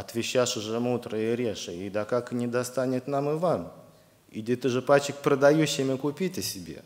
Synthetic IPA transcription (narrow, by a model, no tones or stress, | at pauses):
ɐt̪vʲɪɕːaʂɨʐɨmud̪ɾəjɪɾʲeʂɨid̪akaknʲɪd̪ast̪anʲɪt̪namɨvam | idʲɪt̪ɨʐɨpat͡ɕːɪk̚pɾəd̪ɐjuɕːɪmʲɪkʊpʲitʲəsʲɪbʲḛ